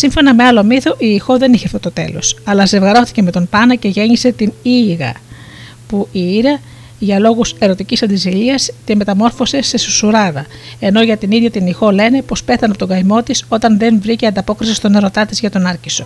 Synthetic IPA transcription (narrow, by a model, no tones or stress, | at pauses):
siɱfo̞nɐme̞ɐlo̞miθo̞ʔiːxo̞ðe̞niçeɐft̪o̞t̪o̞t̪e̞̰lo̞̰sɐlɐze̞vɣɐɾo̞θi̥ceme̞t̪o̞mpɐnɐce̞ʝe̞ɲise̞t̪iniːɣɐ̰ | puʔiiɾɐ | ʝɐlo̞ɣuse̞ɾo̞t̪icisɐnd̪iziliɐsc̪eme̞t̪ɐmo̞ɾfo̞se̞se̞susuɾɐðɐ | e̞no̞ʝɐt̪iniðʝɐt̪inixo̞le̞ne̞po̞spe̞θɐnɐpot̪oɡɐjmo̞t̪iso̞t̪ɐnðe̞nvɾiceɐnd̪ɐpo̞kɾisist̪o̞ne̞ɾo̞t̪ɐt̪izʝɐt̪o̞nɐɾciso̞